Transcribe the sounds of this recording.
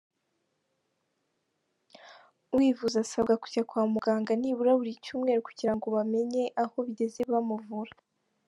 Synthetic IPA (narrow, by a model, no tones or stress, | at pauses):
wiːvuzasabɡaku̥cakwaːmuɡaːŋɡaniːβuɾaβuɾicuːmŋeɾoku̥ɟiɾaŋɡo̞βame̞ɲe̞ʔaho̞βiɟe̞ze̞βamuvuɾḁ